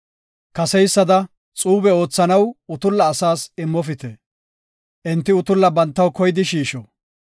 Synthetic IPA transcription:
kɐsɛjsːɐd̪ɐ | t͡sʼuːbɛo̞ːt͡sːɐnɐwʊt̪ʊlːɐːsaːsɪmːɔfɪt̪ɛ | ʔɪnt̪ːɪʊt̪ʊlːɐbɐnt̪ːɐwkɔjd̪ɪʃiːʃɔ

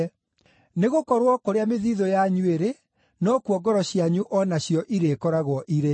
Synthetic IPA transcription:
neɣokɔɾwɔkoɾeameðiðɔjaɲweɾe | nɔkuɔɡɔɾɔɕjaɲuʔɔnaɕjɔʔiɾeːkɔɾaɣwɔʔiɾe

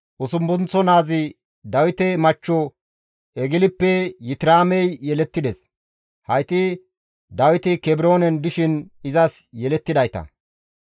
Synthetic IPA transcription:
ʔʊsʊmbʊnt͡sːɔnaːzɪ | d̪ɐwɪt̪ɛmɐt͡ʃːɔ | ɛɡɪlɪpːɛjɪt̪ɪɾaːmɛjjɛlɛt̪ːɪd̪ɛs | hɐjt̪ʼɪ | d̪ɐwɪt̪ɪkɛbɪɾo̞ːnɛnd̪ʊʃɪnɪzɐsjɛlɛt̪ːɪd̪ɐjt̪ɐ̰

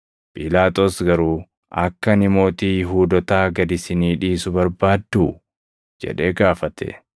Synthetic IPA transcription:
pʼɪlaːt̪ʼoːsɡɐɾuː | ɐ̰kːɐnɪmo̞ːt̪iːɦuːd̪ɔt̪aːɡɐd̪ɪsɪniːᶑiːsʊbɐɾbaːd̪ːu | d͡ʒɛ̰ᶑe̞ːɡaːfɐt̪ʰɛ̰

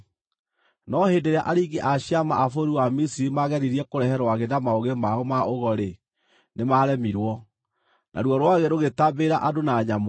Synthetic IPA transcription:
nɔheːndeɾeaʔaɾiɡeʔaɕiamaʔafoɾiwamisiɾimaɣɛɾiɾiɛkoɾɛhɛɾwaɣedamaoɣemaomaʔoɣɔɾe | nemaɾɛmiɾwɔ | nʔa̰ɾwɔɾwaɣɛɾoɣetabeɾaʔadonaɲam

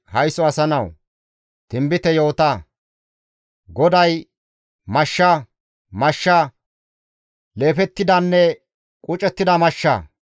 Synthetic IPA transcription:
hɐjsɔɐsɐnɐw | t̪ɪmbɪt̪ɛjo̞ːt̪ɐ | ɡɔd̪ɐj | mɐʃːɐ | mɐʃːɐ | le̞ːfɛt̪ːɪd̪ɐnːɛ | kʼʊt͡ʃʼɛt̪ːɪd̪ɐmɐʃːɐ̰

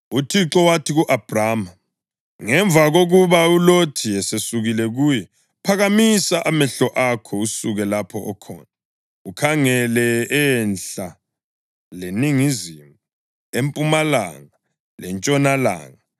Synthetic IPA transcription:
utʰiǁɔwatʰiɣuʔab̥ʱraːma | ŋɛɱb̪vʱaɣoɣuβaulotʰiɛsesuɣilɛɣuːjɛ | pʰaɣamisaʔamɛɬɔʔakʰɔusuɣɛlapʰɔʔɔkʰɔ̰ːna | ukʰaŋɛlɛɛnɬa | leniŋizimu | empʼumala̰ŋa | lɛnt͡ʃʼɔnala̰ːŋa

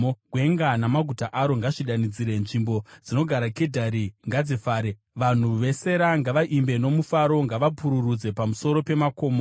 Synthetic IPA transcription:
ɡwe̞ŋɡanamaɡʱutaʔaɾo̞ŋɡaʐiɗanid͡ziɾe̞nʐimbod͡zino̞ɡʱaɾakedʱaɾiŋɡad͡zifaːɾe | ʋan̤uʋe̞se̞ɾaŋɡaʋaʔimbe̞no̞mufaɾo̞ŋɡaʋapuɾurud͡ze̞pamuso̞ɾo̞pe̞mako̞ːmo

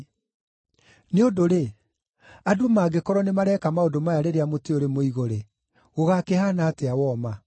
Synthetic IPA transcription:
neodoɾe | adoomaɡekɔɾɔnemaɾɛkamaodomajaɾeɾeamoteoɾemoiɣoɾe | ɣoɣakehanaːteawɔma

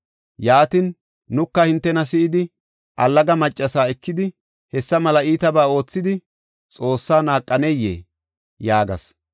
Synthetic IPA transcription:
jaːt̪ɪnː | ʊkːɐhɪnt̪ːɛnɐs̬ɪʔɪd̪ɪ | ʔɐlːɐɡɐmɐt͡ʃʼːɐsaːɛkːɪd̪ɪ | hɛsːɐmɐlɐiːt̪ɐbaːo̞ːt͡sːɪd̪ɪ | t͡sʼo̞ːsːaːnaːkʼːɐnɛjːḛː | jaːɡɐ̰s

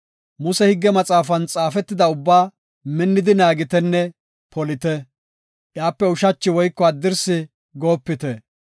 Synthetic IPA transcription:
mʊsɛhɪɡːɛmɐt͡sʼaːfɐnt͡sʼaːfɛt̪ːɪd̪ɐʊbːaː | mɪnːɪd̪ɪnaːɡɪt̪ɛnːɛ | pɔlɪt̪ɛ | ʔjaːpːɛʊʃɐt͡ʃːɪwɔjkːɔɐd̪ːɪɾsɪ | ɡo̞ːpːɪt̪ɛ

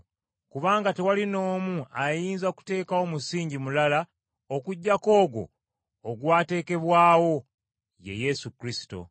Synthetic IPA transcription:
kuβaːŋɡate̞walino̞ːmuajiːnzaku̥te̞ːkawo̞musiːɲɟimulala | o̞kuɟːako̞ːɡo̞̰ː | ɡwaːte̞ːke̞βwaːwo̞ | je̞̰je̞sukɾisi̥to̞̰

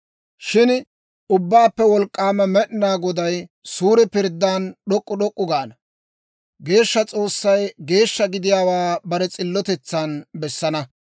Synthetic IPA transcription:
ʃɪn | ʊbːaːpːɛwɔlkʼːaːmɛmɛʔɪnaːɡɔd̪ɐj | suːɾɪpɪɾd̪ːaːnɗɔkʼːʊɗɔkʼːʊɡaːnɐ | ɡe̞ːʃːɐt͡sʼo̞ːsːɐjɡe̞ːʃːɐɡɪd̪ɪjaːwaːbɐɾɛt͡sʼɪlːɔt̪ɛt͡sːanbɛsːɐnɐ

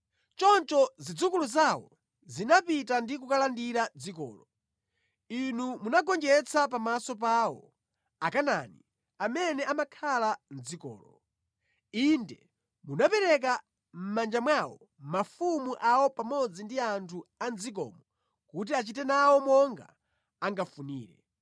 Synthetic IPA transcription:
t͡ʃɔnt͡ʃɔzid͡zukuluzawɔ | zinapitandikukalandiɾad͡zikɔ̰ːlɔ | inumunaɡɔnd͡ʒɛt͡sʰapamasɔp̬aːwɔ̰ | akana̰ni | amɛnɛʔamakʰalan̩d͡zikɔ̰ːlɔ | indɛ | munapɛɾɛk̬a | m̩mand͡ʒamwawɔ̰ | mafumuʔawɔpamɔd͡zindiantʰuand͡zik̬ɔ̰ːmɔ | kut̬iat͡ʃitɛnawɔmɔŋɡa̰ | aŋɡafuniːɾɛ̰

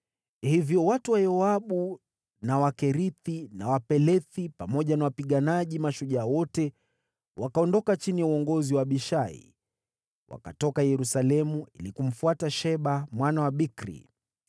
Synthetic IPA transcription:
hivjɔwatuwajɔaɓu | nawakɛɾiθinawapɛlɛθipamɔʄanawapiɠanaʄimaʃuʄawɔtɛ | wʔakaɔndɔkat͡ʃinijauɔŋɡɔziwaɓiʃaḭ | wʔa̰katɔkajɛɾusalɛmuḭlikum̩fuataʃɛɓamwanawaɓikɾḭ

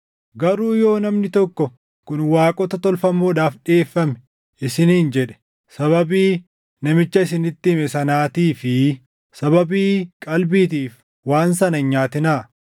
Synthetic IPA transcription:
ɡɐɾuːjo̞ːnɐmnɪt̪ɔkːɔ | kʊnwaːkʼɔt̪ɐt̪ɔlfɐmːoːᶑaːfᶑeːfːɐmɛ̥ | ʔɪsɪniːnd͡ʒɛᶑɛ̥ | sɐβɐbiː | nɐmɪt͡ʃːɐɪsɪnɪt̪ːɪmɛsɐnaːt̪iːfɪ | sɐβɐbiːkʼɐlbiːt̪̬iːf | waːnsɐnɐɲaːt̪ɪnaː

